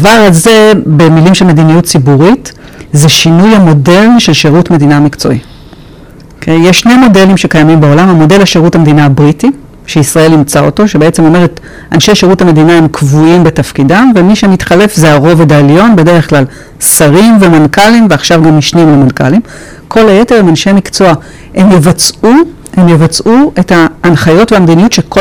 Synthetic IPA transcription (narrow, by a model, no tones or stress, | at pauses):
avaʁaze̞be̞milimʃelme̞dinijutt͡sibuʁit | zeʃinujhamo̞de̞lnʃe̞lʃeʁutme̞dinamikt͡so̞̰ʔi | okʰejjeʃːnejmo̞de̞limʃe̞kajamimbeo̞lamamo̞de̞lhaʃeʁuthamed̪inabʁiti | ʃeisʁae̞limt͡sao̞to̞ʃebeet͡se̞mo̞me̞ʁet | ʔanʃe̞jʃeʁuthame̞dinae̞mkʰvuimbetafkidavemiʃemitχale̞fzeaʁo̞vedaljo̞nbe̞deʁeχklal | saʁimve̞mankalimveaχʃavɡamiʃnimvemanka̰lim | kʰo̞laje̞teʁemanʃemikt͡so̞a | hemjevat͡su | hemjevat͡sʔuʔetaːnχajo̞tveamdinijutʃeko